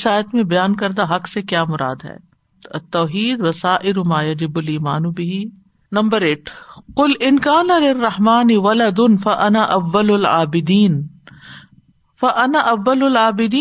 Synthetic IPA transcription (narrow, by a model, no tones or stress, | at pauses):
saːjət̪mẽbɐjaːnkɐɾd̪aɦɐqsekjaːmʊɾa̰ːd̪ɦɛ̰ː | t̪ɔːɦiːd̪ʋɐsaːʔɪɾʊmaːjɐd͡ʒɪbʊliːmaːnubɪɦi | nɐ̃mbəɾeːʈʰqʊlɪnkaːnalɪrːɐħmaːnɪʋɐlɐd̪ʊnfɐʔɐnaʔɐʋːɐlʊlʕa̰ːbɪd̪iːn | fɐʔɐnaʔɐʋːɐlʊlʕaːbɪd̪iː